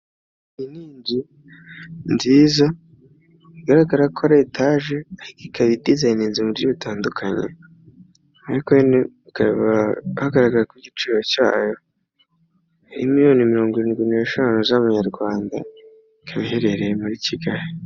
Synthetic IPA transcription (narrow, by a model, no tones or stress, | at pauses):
iniːɲɟi | nziːza | iɡaɾaɡaɾakʰoɾe̞ːtʰaːʒeaɾikikʰaβidizainiːnzimuɾɟuβitʰaːndukʰaɲḛ | aɾikoeneikaβahaɡaɾaɡaɾakwiɟit͡ʃiːɾo̞ca̰ːjo̞ | ḭmijo̞ːnimiɾo̞ːŋɡoiɾiːnɡwine̞ːʃaːnuzamuɲaɾɡwaːnda̰ | ikʰaβiɦe̞ɾe̞ɾejemuɾiciɡahe